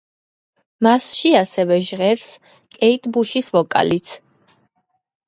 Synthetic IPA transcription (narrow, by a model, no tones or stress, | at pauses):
masʃiasɛvɛʒʁɛɾs | kʼɛit̪ʰʼbuʃisvɔkʼa̰lit̪sʰ